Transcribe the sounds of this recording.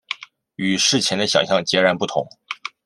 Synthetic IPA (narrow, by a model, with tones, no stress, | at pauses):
y˨˩ʂɻ̩˥˩t͡ɕʰjɛ˧˥nd̪ə˧ɕjɑ̰˨˩ŋɕjɑ˥˩ŋt͡ɕjɛ˧˥ɻa˧˥npu˥˩t̪ʰʊ̰˧˥ŋ